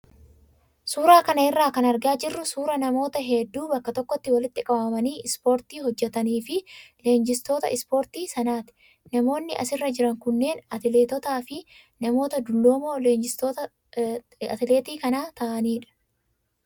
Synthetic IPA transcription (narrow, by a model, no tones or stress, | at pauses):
suːɾaːkɐnɐɪrːaːkɐnɐɾɡaːd͡ʒɪrːʊsuːɾɐnɐmo̞ːt̪ɐɦɛd̪ːuːbɐkːɐt̪ɔkːɔt̪ːɪwɐlɪt̪ːɪkʼɐbɐmɐniːʔɪspo̞ːɾt̪iːɦɔd͡ʒːɛt̪ɐniːfɪle̞ːnd͡ʒɪst̪o̞ːt̪ɐ̰ʔɪspo̞ːɾt̪iːsɐnaːt̪ɪ̥ | nɐmo̞ːnːɪʔɐ̰sɪrːɐd͡ʒɪɾɐŋkʊnːe̞ːnɐt̪ɪleːt̪ɔt̪aːfɪ | nɐmo̞ːt̪ɐd̪ʊlːo̞ːmo̞ːle̞ːnd͡ʒɪst̪oːt̪ɐ | ɐ̰t̪ɪleːt̪iːkɐnaːt̪ɐʔɐniːᶑɐ̥